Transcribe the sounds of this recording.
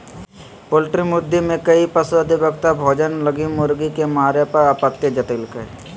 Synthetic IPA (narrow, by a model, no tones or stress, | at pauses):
polʈɾimʊd̪ʱːimẽkəipəsoəd̪ʱibəkt̪abʱoːd͡ʒənləɡimʊɾɡikemaːɾepəɾaːpət̪ːjed͡ʒət̪iːlkəɾe